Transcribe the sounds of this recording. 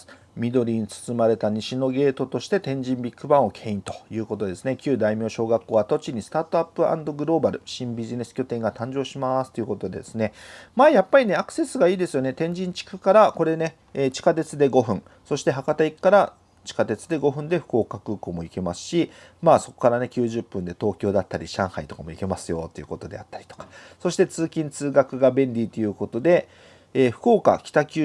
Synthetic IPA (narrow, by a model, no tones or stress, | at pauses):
mʲid̪o̞ɾʲiɲ̟it͡sɨ̥sɨmaɾe̞t̪aɲ̟iɕino̞ɡe̞ːt̪o̞t̪o̞ɕi̥t̪e̞t̪ẽ̞ɲ̟d͡ʑĩmbʲikːɯ̟bãɰ̃o̞kʰe̞ːĩnt̪o̞̥jɯ̟ːko̞t̪o̞d̪esɨne̞kʲɨːd̪aimʲjo̞ːɕo̞ːɡakːo̞ːβat̪o̞t͡ɕiɲ̟isɨ̥t̪aːt̪o̞apːɯʔã̰nd̪o̞ɡɯ̟ɾo̞ːbaɾɯ̟ɕĩmbʲiʑine̞sɨ̥kʲo̞t̪ẽ̞ŋɡat̪ãɲ̟d͡ʑo̞ːɕimasɨ̥t̪oiɯ̟ko̞t̪o̞d̪e̞d̪e̞sɨne̞maːjapːaɾʲine̞akɯ̥se̞sɨɡaiːd̪e̞sɨjo̞ne̞t̪ẽ̞ɲ̟d͡ʑĩɲ̟t͡ɕi̥kɯ̟̥kaɾako̞ɾe̞ne̞ | eːt͡ɕi̥kat̪e̞t͡sɨd̪e̞ɡo̞ɸɯ̟̃ɴ | so̞ɕi̥t̪e̞ɦakat̪aikkːaɾa | t͡ɕi̥kat̪e̞t͡sɨd̪e̞ɡo̞ɸɯ̟̃nd̪e̞ɸɯ̟̥ko̞ːkakɯ̟ːko̞mo̞ike̞masɨ̥ɕimaːso̞ko̞̥kaɾane̞kʲɨːʑɨpːɯ̟̃nd̪e̞t̪o̞ːkʲo̞ːd̪at̪ːaɾʲiɕãɰ̃hait̪okamo̞ike̞masɨjo̞̰t̪ːe̞jiɯ̟ːko̞t̪o̞d̪e̞at̪ːaɾʲi̥t̪o̥kḁso̞ɕi̥t̪e̞t͡sɨːkʲĩnt͡sɨːɡakɯ̟ɡabẽ̞nɾʲit̪ːe̞jɯ̟ːko̞t̪o̞d̪e̞ː | ɸɯ̟̥ko̞ːka̰kʲi̥t̪akʲɨ